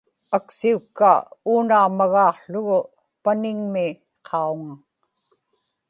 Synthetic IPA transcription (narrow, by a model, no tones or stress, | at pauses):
aksiukːa̰uːnaːmaɣɑːqɬʊɣʊ | panɪŋmɪ | qʰɑuŋa